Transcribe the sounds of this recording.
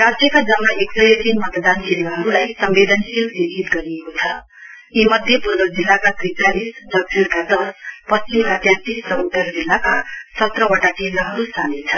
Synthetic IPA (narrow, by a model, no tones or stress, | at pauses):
rad͡zjʌkad͡zʌmːaʔeksʌjʌt̪inmʌt̪d̪ankelɾʌɦʌɾulajsʌmbed̪ʱʌnsilbidʱit̪ɡʌɾiekot͡sʰʌ | imʌd̪ʱjepurbʌd͡zilːakat̪ɾitalisd̪ʌk̚t͡sʰilkad̪ʌspʌst͡simkat̪jãnt̪issʌwut̪ːʌɾd͡zilːakasʌt̪rʌwʌʈat͡selɡʌɦʌɾust̪anet͡sʰʌ